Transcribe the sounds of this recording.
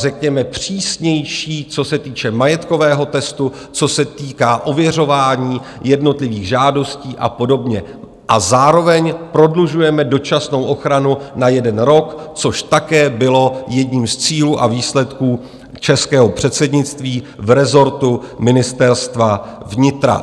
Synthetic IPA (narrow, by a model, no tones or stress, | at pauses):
rɛkɲɛmɛpr̝̥iːsɲɛjʃiːt͡so̞sɛt̪iːt͡ʃɛmajɛt̪ko̞vɛːɦo̞t̪ɛst̪u | t͡so̞sɛt̪iːkaːʔo̞vjɛr̝o̞vaːɲiː | jɛdno̞t̪lɪviːɣʒaːdo̞sciːʔa̰po̞do̞bɲɛ | ʔazaːɾo̞vɛɲpɾo̞dluʒujɛmɛdo̞t͡ʃasno̞wʔo̞xɾanunajɛdɛnɾo̞kt͡so̞ʃt̪akɛːbɪlo̞jɛdɲiːmst͡siːluːʔaviːslɛt̪kuː | t͡ʃɛskɛːɦo̞pr̝̥ɛt̪sɛdɲɪt͡st̪viː | vɾɛzo̞ɾt̪umɪnɪst̪ɛɾst̪vavɲɪt̪ɾa̰